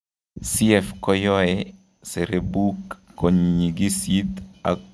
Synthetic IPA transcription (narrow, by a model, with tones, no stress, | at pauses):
si˦ɛfkɔ˦jɔ˦ɛ | se˨ɾebu˦kːɔɲɲi˨ɡi˦si˦t̪a̰˨